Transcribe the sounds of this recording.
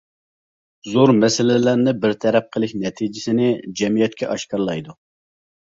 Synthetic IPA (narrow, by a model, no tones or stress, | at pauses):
zoɾmɛsɪlɪlæɾnɪbɪɾt̪ʰɛɾɛp̚qʰəlˠɪkʲnɛt̪ʰid͡ʒɪsɪnɪd͡ʒɛmijɛt̪̚kʲʰɛʔɑʃkɑɾlˠɑjd̪u